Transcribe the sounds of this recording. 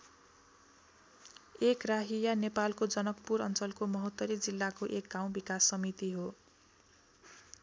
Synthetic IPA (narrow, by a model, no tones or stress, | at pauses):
ekraɦijanepalkod͡zʌnʌkpuɾʌnt͡sʌlkomʌɦʌt̪ːʌɾid͡zilːakoʔek̚ɡaw̃bikasːʌmit̪iɦo